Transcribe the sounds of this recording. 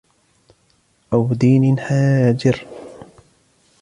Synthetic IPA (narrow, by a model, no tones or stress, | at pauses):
ʔawd̪iːnɪnħaːd͡ʒɪɾ